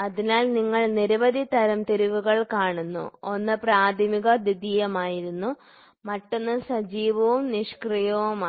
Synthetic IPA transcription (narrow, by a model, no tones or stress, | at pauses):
ɐðinaːlniŋːɐɭniɾɐʋɐd̪ʱit̪ɐɾɐmt̪eɾiʋuɣɐɭkaːɳunːṵonːɨpraːd̪ʱimiɣɐd̪id̪iːjɐmaːjiɾunːu | mɐʈːo̞nːɨsɐd͡ʑiːʋɐʋumniʂkrijɐʋumː